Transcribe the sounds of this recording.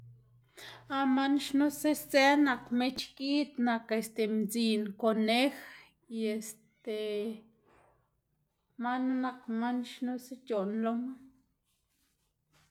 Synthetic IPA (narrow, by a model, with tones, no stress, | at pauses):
a˧ma˦nʃnu˦se˦sze˦na˨kme˦t͡ʃki˦t̪na˨ke˨st̪e˨mzi˨nko˨ne˦x | je˨st̪e˨ | ma˦nu˦na˧kma˦nʃnu˦se˦t͡ʃo˨nlo˦ma˦